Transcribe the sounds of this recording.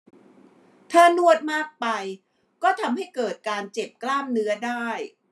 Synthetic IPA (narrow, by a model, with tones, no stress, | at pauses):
t̪ʰaː˥˩nu˥˩ət̪̚maː˥˩k̚pa˧j | kɔː˥˩t̪ʰa˧mɦa˥˩jkɤː˨˩t̪̚kaː˧nt͡ɕe˨˩p̚klaː˥˩mnɯ˦˥ɐdaː˥˩j